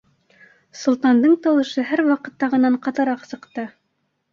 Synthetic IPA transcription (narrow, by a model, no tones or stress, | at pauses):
sŏlˠt̪ɑnd̪ɤɴt̪ɑwɤ̆ʃɤɦæɾwɑqɤ̆t̪ːɑʁɤ̆nɑɴqɑt̪ɤ̆ɾɑqsɤ̆qt̪ɤ